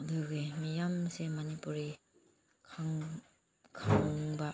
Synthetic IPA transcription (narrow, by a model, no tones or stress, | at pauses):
aduɡemijamsemanipuɾi | kʰaŋ | kʰaŋɔŋba